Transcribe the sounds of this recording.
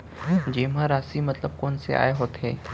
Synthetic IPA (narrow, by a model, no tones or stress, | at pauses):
d͡ʒeːmãɾaːsimɐt̪ləb̚kɔːnsḛʔa̰ːeɦoːt̪ɦɛː